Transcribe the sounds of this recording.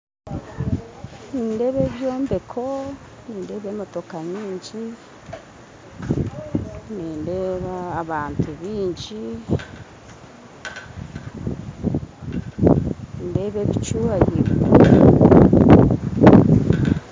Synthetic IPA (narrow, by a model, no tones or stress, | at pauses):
niːnde̞βe̞βjo̞ːmbe̞kʰo | niːnde̞ːβemotokaɲiːɲɟi | niːndeːβaːβaːntʰuβiːɲd͡ʒi | nde̞βe̞βit͡ʃuaɟiɾ